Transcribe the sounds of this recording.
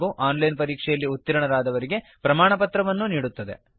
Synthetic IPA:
ɡuʔaːnlɐjnpɐɾiːkʂɛjɐlːiut̪ːiɾɐɳɐɾaːd̪ɐʋɐɾiɡe̞pɾɐmaːɳɐpɐt̪ɾɐʋɐnːuniːɽut̪ːɐd̪e̞̰

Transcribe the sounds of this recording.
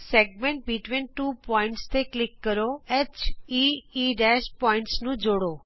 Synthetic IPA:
seɡmẽɳʈ̚biʈʋinʈuːpɔɪ̃ɳʈst̪ʰeklɪkːəɾoet͡ʃiiɖɛʃpɔɪ̃ɳʈsnũd͡ʒoɽo

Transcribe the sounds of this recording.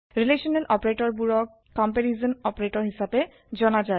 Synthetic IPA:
ɹileʃɔnelʔɔpaɾeʈɔɹbuɾɔk | kːɔmpeɾizɔnɔpaɾeʈɔɹɦiʃabe | d͡ʑɔnad͡ʑae

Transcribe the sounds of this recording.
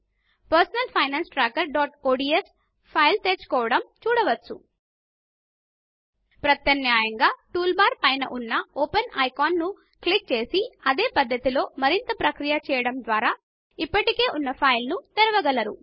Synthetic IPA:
pɐɾsɐnɐlpʰɐjnaːnsʈɾaːkɐɾɖɔːʈoːɖiːes | pʰɐjlt̪eːt͡ʃu̥kɔːʋɐɽɐmt͡ʃuːɽɐʋɐt͡ʃːṵ | pɾɐt̪jɐnjaːjɐŋɡaːʈuːlbaːɾpɐjnɐ̰ʔunːɐoːpɐnɐjkaːnːu | klik̚t͡ʃe̞ːsiɐd̪e̞ːpɐd̪ːɐt̪ilo̞ːmɐɾint̪ɐpɾɐkɾijɐt͡ʃɛːjɐɽɐmd̪ʋaːɾaː | ipːɐʈike̞ːʔunːɐpʰɐjlnut̪ɛɾɐʋɐɡɐlɐɾṵ

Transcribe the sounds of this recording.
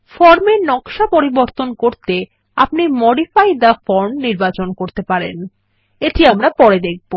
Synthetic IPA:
fɔɾmeɾnɔkʃapoɾiboɾt̪onkoɾt̪e | apnimɔɖifajd̪afɔɾmniɾbat͡ɕonkoɾt̪epaɾḛn | et̪ʰiamɾapɔɾed̪ek̚ʰbo

